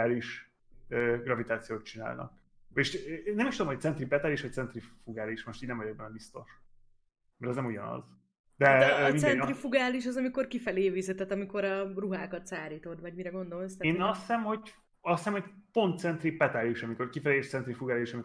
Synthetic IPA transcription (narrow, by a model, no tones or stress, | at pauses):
aːliʃ | øːɡrɒvit̪aːt̪sijoːt̪̚t͡ʃina̰ːlnɒ̰k̚ | eʃnɛmiʃt̪ud̪omhoc̪̚sɛnt̪ripɛt̪aːliʃʋɒc̚tsɛnt̪rifuɡaːliʃmo̞ʃt̪iːɟnɛmvɒjɛɡ̚bɛnɛbist̪o̞ʃ | mɛɾɛznɛmuɟɒnɒ̰z | d̪ɛmindɛnɾifuɡaːliʃ̬ɒzɒmiko̞rkifɛleːvizɛt̪ːɛt̪ːɒmiko̞ɾɒruɦaːkɒt̪saːɾiːt̪o̞d̪vɒɟmiɾɛɡo̞nd̪o̞lst̪eːnɒsːɛmho̞ | ɒsːɛmhoc̚po̞nt̪̚t̪sɛnt̪ripɛt̪aliʃɒmiko̞rkifɛleːt̪sɛnt̪ɾifuɡaːliʃɒmi